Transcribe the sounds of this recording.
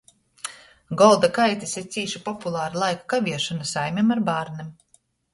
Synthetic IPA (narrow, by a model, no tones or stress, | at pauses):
ɡɔlˠd̪akajt̪isiɾt̪siːʃipɔpulˠaːɾilˠajkḁkavʲiɛʃɔnasajmʲɛmaɾbaːɾnim